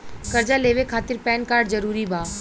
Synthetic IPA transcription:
kɐɾd͡ʒaleːʋekʰaːt̪ɪɾpɛːnkaːɾɖzɐɾuːɾibʱaː

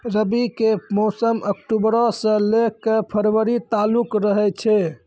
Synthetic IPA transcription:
ɾəbikemɔsəmʔəkʈubɾɔsə̃lekːepʰəɾwəɾit̪alukɾəɦɛt͡ʃʰɛ

